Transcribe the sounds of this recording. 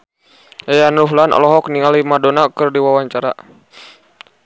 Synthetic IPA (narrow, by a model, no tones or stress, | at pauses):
ɛjanuɦlanɔ̰lɔɦɔk̚niŋalimadɔnakɨrdiwawaɲt͡ʃaɾa